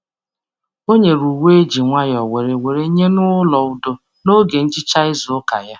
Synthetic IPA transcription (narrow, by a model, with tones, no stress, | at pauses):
o˦ɲe˨ɾu˨we˦e˦d͡ʒi˨ŋʷa˦jɔ˨we˨ɾe˨we˨ɾe˦ɲe˦nʊ˦lɔ˨ʊ˦do˦ | no˦ɡe˨n̩˦t͡ʃɪ˦t͡ʃa˦ɪ˦zʊ˨ʊ˦ka̰˨ja˦